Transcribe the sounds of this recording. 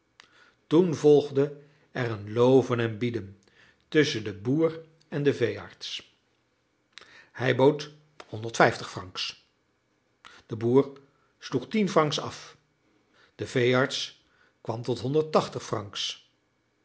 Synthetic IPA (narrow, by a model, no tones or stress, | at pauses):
tunvɔlˠχdə | ɛrənlowvənɛnbidən | tɵsəndəbuːr | ɛndəvejɑ̰ɹts | hɛjbowt | hɔndəɹtfɛjftəχfrɑŋks | d̥əbuːɹ | sluχtinfrɑŋksɑ̰f | d̥əv̥ejɑɹts | kʋɑmtɔtɦɔndəɹtɑχtəχfrɑŋks